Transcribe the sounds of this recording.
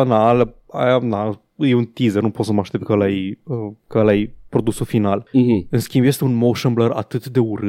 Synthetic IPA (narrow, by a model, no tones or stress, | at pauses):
analəajana | jeunt̪izərnupo̞t̪səmaʃt̪e̞p̚t̪kəlajəkəəlajpɾo̞d̪usufinalɨnskʲĩmbjest̪eunmoʃəmbləra̰t̪ɨt̪d̪e̞uɾɨ